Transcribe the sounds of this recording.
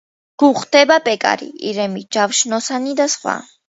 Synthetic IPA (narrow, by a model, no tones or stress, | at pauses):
ɡ̥uχd̪ɛbapʼɛkʼa̰ɾḭḭɾɛmid͡ʒafʃnɔsanid̪asχwa̰